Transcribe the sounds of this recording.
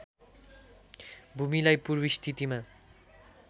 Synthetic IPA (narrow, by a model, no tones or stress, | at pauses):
bʱumilajpuɾbiʃt̪ʰit̪ima